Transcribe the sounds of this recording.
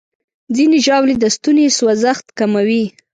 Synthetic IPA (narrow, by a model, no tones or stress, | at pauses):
d͡zineʒɑwled̪əst̪uneswazaxt̪kamawi